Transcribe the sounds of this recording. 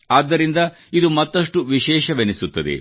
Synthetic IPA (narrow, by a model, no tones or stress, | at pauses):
aːd̪ːɐɾind̪ɐ | id̪umɐt̪ːɐʂʈuʋiʃɛːʃɐʋenisut̪ːɐd̪ḛ